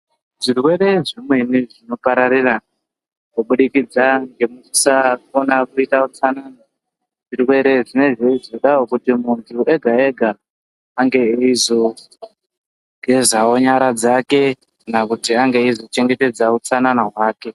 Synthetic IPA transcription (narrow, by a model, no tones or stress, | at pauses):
ʐirwe̞ɾe̞ʐimwe̞niʐino̞paɾaɾira | kuɓuɗikid͡zaŋɡe̞musafonakuitaut͡sanana | ʐirwe̞ɾe̞ʐine̞ʐeizoɗawokutimuntʰuʔe̞ɡʱaeɡʱaː | ŋɡe̞izo̞ | ɡ̥ʱe̞zao̞ɲaɾad͡zake̞ | knakutiaŋɡe̞izo̞t͡ʃe̞ŋɡe̞te̞d͡zaut͡sananaɦwaːke̞